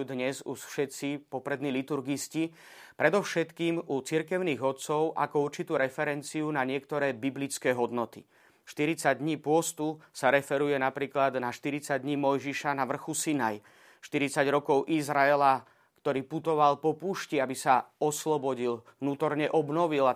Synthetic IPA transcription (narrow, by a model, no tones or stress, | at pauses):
ud̪ɲɛzuʃfʃɛt̪t͡sipɔpɾɛd̪niːlit̪uɾɡisci | pɾɛd̪ɔʊʃɛt̪kiːmut͡siɾkɛʊniːɣɔt̪t͡sɔʊʔa̰kɔuɾt͡ʃit̪uːɾɛfɛɾɛnt͡siunaɲɪɛkt̪ɔɾɛːbiblit͡skɛːɦɔd̪nɔt̪ḭ | ʃt̪iɾit͡saɟ̚d̪ɲiːpʊɔst̪usaɾɛfɛɾujɛnapɾiːklad̪naʃt̪iɾit͡saɟd̪ɲiːmɔjʒiʃanaʋr̩xusinaj | ʃt̪iɾit͡saɟɾɔkɔʊʔizɾaɛla | kt̪ɔɾiːput̪ɔʋalpɔpuːʃciabisaɔslɔbɔɟilʋnuːt̪ɔɾɲɛʔɔbnɔʋila